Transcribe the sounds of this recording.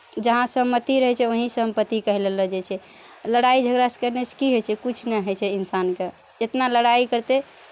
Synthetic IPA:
d͡ʒəɦãsə̃mːət̪iɾəɦɛt͡ʃʰɛʋoɦisəmpət̪ːikəɦileləd͡ʒɛt͡ʃʰɛ | ləɽaid͡ʒʱəɡɾaskəɾneskiɦojt͡ʃʰɛkut͡ʃʰnɛɦəjt͡ʃʰɛinsanke | d͡ʒet̪naləɽaikəɾt̪e

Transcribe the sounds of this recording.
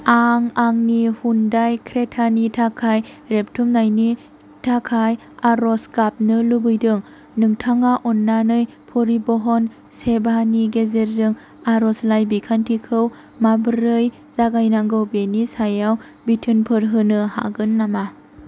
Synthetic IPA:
aŋaŋnihundajkʰɾetʰanitʰakʰaj | ɾep̚tʰumnajni | tʰakʰaj | aɾɔskap̚nɯlubɯjdɯŋ | nɯŋtʰaŋaʔɔnːanɯj | pʰɔɾibɔɦɔn | sebaniɡezeɾzɯŋ | aɾɔslajbikʰantʰikʰɯw | mabɯɾɯj | z̥aɡajnaŋɡɯwbenisajaw | bitʰɯnpʰɯɾɦɯnɯha̰ɡɯnːama

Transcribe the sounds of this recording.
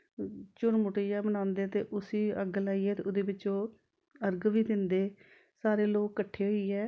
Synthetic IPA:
t͡ʃʊɾmʊʈeːjaːbənãːnd̪eːt̪ḛːʔʊsiːəɡlaːiːɛːt̪eːʊd̪eːbɪt͡ʃõː | əɾɡʋiːd̪ɪnd̪eː | saːɾeːloːkːəʈʰːeːɦoiːɛː

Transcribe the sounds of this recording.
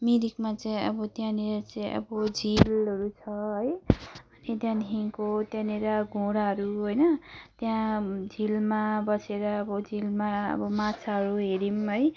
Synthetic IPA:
miɾikmat͡saĩʌbʌt̪jãneɾʌt͡saĩʔʌ̰bʌd͡zʱilʌɾut͡sʰʌɦʌjʌnit̪jãnɦiŋkot̪jãneɾʌɡʱõɽaɦʌɾuɦojnʌt̪jãd͡zʱilmabʌseɾʌːbʌd͡zʱilmaʌ̰bʌmat͡sʰaɦʌɾuɦeɾimɦʌj

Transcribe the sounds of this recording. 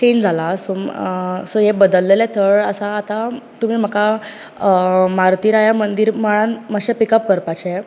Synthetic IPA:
t͡ɕend͡zʱalaso | soɦebəd̪əlːelɛt̪ʰəɭəsaːt̪at̪um̤iːm̤əka | maɾt̪iːɾajamənd̪iɾmaɭanməɕɛ̃pikəp̚kəɾpat͡ɕɛ

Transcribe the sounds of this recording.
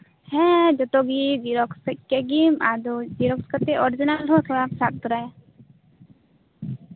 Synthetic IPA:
hɛ̃d͡ʒɔt̪ɔɡid͡ʒiɾɔkskɛɡimad̪ɔd͡ʒiɾɔkskat̪ɛʔɔɾid͡ʒinalɦɔt̪ʰɔɽapsat̪̚t̪ɔɾaja

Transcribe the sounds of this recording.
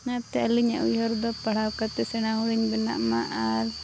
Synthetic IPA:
ŋat̪ɛaliɲa̰ʔujɔɾd̪ɔpaɽawkat̪ɛsɛñaɦuɽiɲbɛna̰ʔmaʔal

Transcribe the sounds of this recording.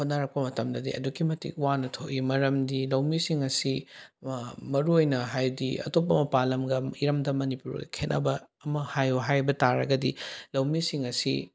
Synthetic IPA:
hot̚naɾɐk̚pɐmɐtɐmdɐdḭɐ̰dukimɐtḭkwanɐtʰoʔimɐɾɐmdilɐwmisiŋɐsi | mɐɾuojnɐɦajdiɐ̰top̬ːɐmɐpalɐmɡɐiɾɐmdɐmɐnipuɾo̰kʰenʔɐ̰bɐː | mɐhajoɦajbɐtaɾɐɡɐdilɐwmisiŋɐsi

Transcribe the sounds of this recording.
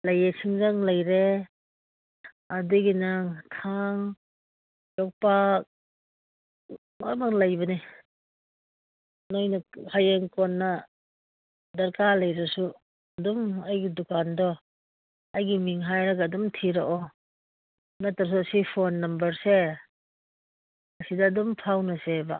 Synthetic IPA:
lajesʰiŋzaŋlajɾe | aduɡinaŋtʰaŋ | jɔk̚pak̚ | majmaklajbɐni | nɔjnahajeŋkɔnːa | dɐɾkalajɾasu | dumajɡidukandɔ | ajɡimiŋɦajɾaɡaːdumtʰiɾaʔɔ | nataɾs̬usipʰonːɐmbɐɾse | asidaːdumpʰawnɐseba̰

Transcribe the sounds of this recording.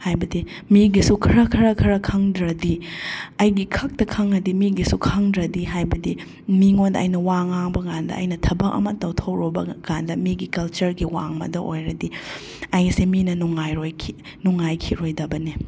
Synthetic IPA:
hajbɐdi | miɡisukʰɐɾɐkʰɐɾɐkʰɐɾɐkʰɐŋdɾɐdiɐjɡikʰɐk̚tɐkʰɐŋɐdimiɡisukʰɐŋdɾɐdiɦajbɐdi | miŋondɐ̰ɐ̰jnɐwaŋaŋbɐɡandɐ̰ʔɐ̰jnɐtʰɐbɐkɐ̰mɐtɐwtʰɐwɾobɐ̰kandɐmiɡikɐlt͡ʃɐɾɡiwa̰ŋmɐ̰dɐʔojɾɐdi | ɐjseminɐnuŋajɾojkʰi | nuŋajkʰiɾojdɐbɐni

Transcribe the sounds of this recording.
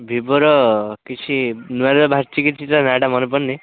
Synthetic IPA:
bʱibɔɾɔkit͡ʃʰinuaɾabʱaɾt͡ʃikit͡ʃʰit̪anaɖamɔnepɔnnːi

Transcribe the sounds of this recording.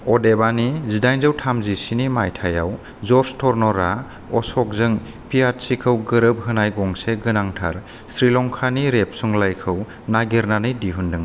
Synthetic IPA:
ɔdebanizidajnzɯwtʰamzisinimajtʰaja̰w | zɔɾstʰɔɾnɔɾa | ɔsɔk̚zɯŋ | piat̚sikʰɯwɡɯɾɯb̚ɦɯnajɡɔŋseɡɯnaŋtʰa̰ɾ | sɾilɔŋkʰaniɾep̚suŋlajkʰɯw | naɡeɾnanɯjdiɦundɯŋ

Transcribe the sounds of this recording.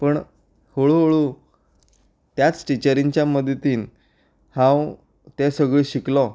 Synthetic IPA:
pəɳ | hoɭuɦoɭuː | t̪jat͡sʈit͡ɕəɾiɲt͡ɕjaməd̪ʱt̪iːn | hãw | t̪esəɡɭiːɕiklɔ

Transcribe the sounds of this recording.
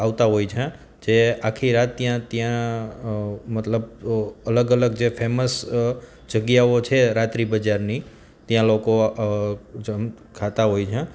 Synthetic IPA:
aʋt̪aɦojt͡ʃʰẽ | d͡ʒeakʰiɾat̪ːjãt̪jã | mət̪ləbələɡələɡ̚d͡ʒefʰeməs | d͡ʒəɡjaot͡ʃʰeɾat̪ɾibəd͡ʒaɾni | t̪jãloko | d͡ʒəm | kʰat̪aɦojt͡ʃʰẽ

